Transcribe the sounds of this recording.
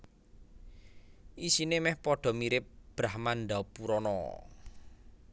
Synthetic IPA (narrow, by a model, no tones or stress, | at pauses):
ʔisinemɛhpɔɖ̥ɔ̤miɾɪp̚b̥ɾahmanɖ̪apuɾɔnɔ̰